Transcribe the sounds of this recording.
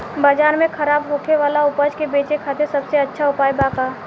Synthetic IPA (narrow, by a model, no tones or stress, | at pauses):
bɐd͡ʒaːɾmẽkʰɐɾaːbɦoːkʰeʋaːlaʊpəd͡ʒkebeːt͡ʃekʰaːt̪ʰesɐbseɐtːʃʰaʊpaːjbaːkaː